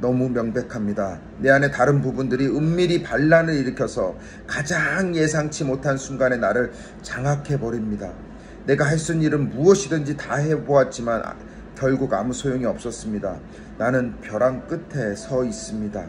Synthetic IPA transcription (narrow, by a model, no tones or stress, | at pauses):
nʌmumjʌŋbe̞kʰamɲida | ne̞ane̞taɾɯnpubundɯɾiɯmːiɾipaɭːanɯɾiɾɯkʰjʌsʰʌ | kad͡ʑaŋje̞sʰaŋt͡ɕʰimotʰansʰuŋɡane̞naɾɯɭ | t͡ɕaŋɦakʰe̞bʌɾimɲida | ne̞ɡaɦaɭs͈uniɾɯnmuʌɕʰidɯnd͡ʑitahe̞boat̚t͡ɕ͈iman̰ | kjʌɭɡuɡa̰musʰojoŋiʌp̚s͈ʌs͈ɯmɲida | nanɯnpjʌɾaŋk͈ɯtʰe̞sʰʌis͈ɯmɲida